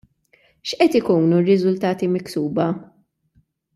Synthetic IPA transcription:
ʃʔɛt̪ɪkuːnurɪzʊlt̪ɐːt̪imɪksuːbɐ

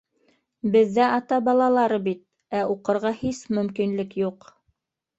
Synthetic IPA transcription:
bɘ̆ðːæʔɑt̪ɑbɑlˠɑlˠɑɾɤbit̪̚ | æuqɤ̆ɾʁɑhismɵ̆mkinlɘkjuq

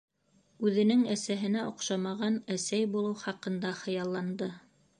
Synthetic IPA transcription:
ʉðɘ̆nɘŋæsæɦɘ̆næʔŏqʃɑmɑʁɑnæsæjbulˠɤwχɑqɤ̆nd̪ɑχɤ̆jɑlˠːɑnd̪ɤ

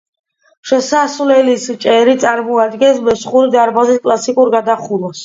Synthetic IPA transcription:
ʃɛsasvlɛlist͡ʃʼɛɾit̪sʼaɾmɔad̪ɡɛnsmɛsχuɾid̪aɾbaziskʼlˠasikʼuɾɡad̪aχulˠas

